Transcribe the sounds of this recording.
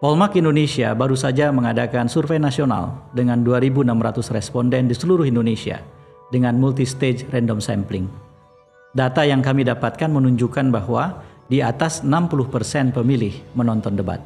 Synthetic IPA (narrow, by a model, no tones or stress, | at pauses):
pɔlmakindonesia̰baɾusad͡ʒaməŋadakansurfejnasiona̰ldəŋanduaɾibunamɾat̪ʊsrɛspɔndɛndisəluɾʊhindonesia̰ | dəŋanmult̪ist̪ed͡ʒrɛndɔmsɛmplɪŋ | dat̪ajaŋkamidapat̪̚kanmənuɲd͡ʒukanbahwadiat̪asənampulʊhpərsɛnpəmilɪhmənɔnt̪ɔndəba̰t̪̚